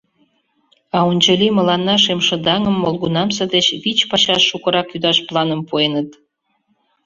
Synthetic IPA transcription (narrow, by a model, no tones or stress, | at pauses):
ɑunʲt͡ɕə̆lʲimə̆lɑnːɑʃemʃə̆d̪ɑŋə̆mːolɡunɑmsə̆d̪et͡ɕβit͡ɕpɑɕɑʃːukɤ̆ɾɑkjyd̪ɑʃplˠɑnəmpuenə̆t̪